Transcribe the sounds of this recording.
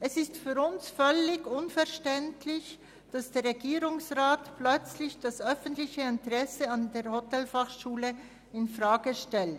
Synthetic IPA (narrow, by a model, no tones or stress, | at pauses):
ʔɛsɪstfyːɾʊnsfœlɪɡʊnfɛʁʃtɛntʰlɪç | d̥asd̥eːɾʁeɡiːɾʊŋsʁaːtplœt͡slɪçd̥asœfən̩tlɪçəɪntəʁɛsəandeːɐʁhotɛlfaχʃuːlə | ɪnfʁaːɡəʃtɛlt